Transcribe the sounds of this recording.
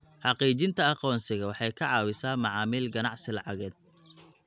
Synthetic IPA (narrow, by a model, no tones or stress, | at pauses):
ħɑqiːt͡ʃɪnt̪ʰɐɑqɔːnsɪɣɐwɑħɑjkʰɐʕɑːwɪsaːmɑʕɑːmiːlɡɐnɑʕsɪlɑʕɑɣɛːd̪̥̚